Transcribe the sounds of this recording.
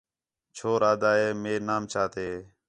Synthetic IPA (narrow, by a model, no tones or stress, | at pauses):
t͡ʃʰoːɾaːd̪aːɦeːmeːnaːmt͡ʃʰaːt̪eː